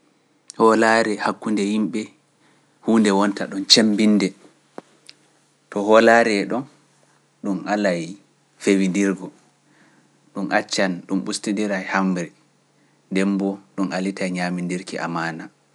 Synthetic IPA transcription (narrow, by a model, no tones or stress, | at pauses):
hɔlaɾɛhakːundɛhimɓɛ | huːndɛwɔntaɗɔnt͡ʃembindɛ | tɔɦɔlaɾɛɗɔn | ɗumʔalaj | fewindiɾɡɔ | ɗumʔat͡ʃːanɗumɓustindiɾajhambɾɛ | ndɛmbɔɗunʔalitajɲamindiɾkiʔa̰maːna